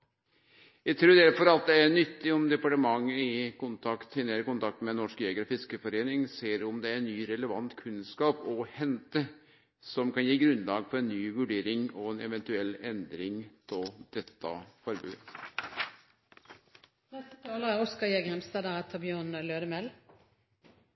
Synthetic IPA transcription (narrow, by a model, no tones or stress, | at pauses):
jæɪt̪ʰɾʉːɾd̪æɾfɔɾɑt̪̚d̪ɛæɳʏt̪ːɪɔmd̪ɛpɑʈəmɑŋːəɪkʊnt̪ʰɑkt̪hɪnːəɾkʊnt̪ʰɑk̚t̪mɛnɔʂkjeːɡəɾfɪskəfɔɾeːnɪŋseːɾɔmd̪ɛænyːɾɛləʋɑnt̪kʰʉnskɑːpɔhɛnt̪ə | sɔmkɑnjiːɡɾʉnlɑːɡfʰɔɾɛnːyːʋʉɖeːɾɪŋɔɛnɛʋɛnt̪ʉɛlːɛnd̪ɾɪŋt̪ʰɔld̪̥ɛt̪ːɑ̰fɔɾbʉ̰ːə | nɛt̪ɑːləæʁɔskɑjeɡhɛmst̪ɑːd̪ɑʁɛt̪ʰɑbjøːʁnløːd̪əmɛl